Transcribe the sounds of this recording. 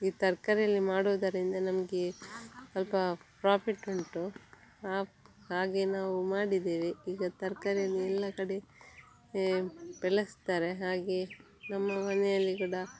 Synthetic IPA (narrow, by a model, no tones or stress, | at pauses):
iːt̪ɐɾkɐɾɛjɐlːimaːɽoʋd̪ɐɾind̪ɐnɐmɐɡesɐlpɐpɾaːpʰiʈeɳʈu | aː | haːɡe̞naːʋumaːɽid̪eːʋiiːɡɐt̪ɐɾkɐɾɛjɐlːiɛlːɐkɐɽe̞ | pɛɭɐst̪aːɾe̞ɦaːɡe | nɐmːɐmɐnɛjɐlːiɡɐɽɐ